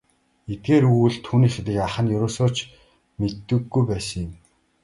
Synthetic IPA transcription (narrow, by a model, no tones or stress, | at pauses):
et̪̚ɡeːɾuɣɘɮt̪ʰːuːniːxet̪ĭkaχə̆njɵɾoːsʊːt͡ɕ | met̪ːɘ̆ɡːujpæːsə̆ŋjʊ̆m